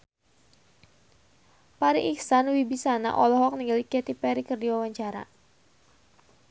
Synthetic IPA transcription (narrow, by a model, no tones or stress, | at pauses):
paɾiʔiksanwibisana̰ʔɔlɔɦɔk̚niŋɡalikɛt̪ipɛɾikərdiwawaɲt͡ʃaɾa̰